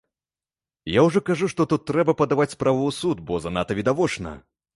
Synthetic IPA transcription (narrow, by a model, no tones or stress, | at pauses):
jawʐɔkaʐuʂt̪ɔt̪ut̪ːɾɛbɐpɐd̪avat͡sʲspɾavɨːsut̪bɔzɐnat̪ɐvʲid̪avɔt͡ʂnɐ̰